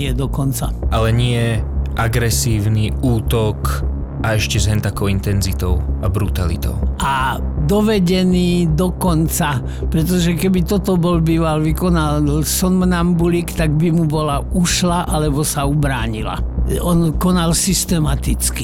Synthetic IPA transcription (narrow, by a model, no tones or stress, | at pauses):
ɪɛd̪ɔkɔnt͡sa̰ʔalɛɲɪɛʔaɡɾɛsiːʊniuːt̪ɔk | ʔaɛʃcɛzɦɛnt̪akɔʊint̪ɛnzit̪ɔʊabɾut̪alḭt̪ɔ̰ʊʔad̪ɔʋɛɟɛniːd̪ɔkɔnt͡sa | pɾɛt̪̬ɔʒɛkɛbit̪ɔt̪ɔbɔlbiːʋalʋikɔnalsɔnmnambulikt̪aɡbimubɔlauʃlaʔalɛbɔsaubɾaːɲila̰ɔnkɔnalsist̪ɛmat̪it͡ski̥